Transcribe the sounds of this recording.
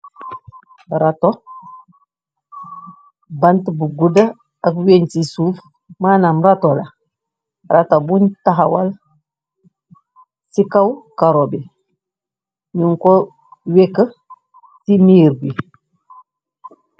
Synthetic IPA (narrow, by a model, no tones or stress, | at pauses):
ɾato | bantbuɡuda | akweɲsisuːf | maːnamɾatola | ɾatabuntaɦawal | sikawkaɾobi | ɲuŋko | wekə | timiɾbi